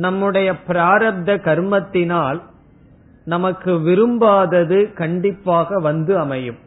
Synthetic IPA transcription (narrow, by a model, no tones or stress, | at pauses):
nɐmːɯɽɐjɐpɪɾaːɾɐb̚d̪ɐkɐɾɯmɐt̪ːɪnaːl | nɐmɐkːɯʋɪɾɯmbaːðɐðɯkɐɳɖɪpːaːɣɐʋɐnd̪ɯɐmɐjɯm